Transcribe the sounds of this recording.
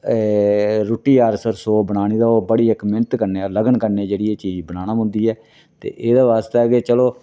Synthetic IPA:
ɾoːʈiːaːɾsəɾsoːbəɽ̃aːñiːd̪aːoːbəɽiːɛkmɛ̃nt̪kəɾneːɾləɡənkəɾneːd͡ʒeːɽiːeːt͡ʃiːd͡ʒibəɽaːnaːɦʊ̃nd̪iːɛː | t̪ḛːʔeːd̪aːʋaːst̪aɛkeːt͡ʃəloː

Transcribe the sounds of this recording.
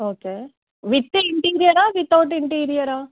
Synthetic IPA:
oːkeː | ʋɪt̪ːɨɪɳʈiːɾijɐɾaːʋɪt̪ːaːʈɪɳʈiːɾijɐɾaː

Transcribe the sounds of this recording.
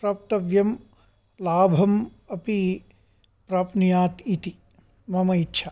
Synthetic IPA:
pɾap̚t̪ɐʋjɐm | laːbʱɐm | ɐpi | pɾaːpnijaːt̪it̪i | mɐmɐitːʃʰa

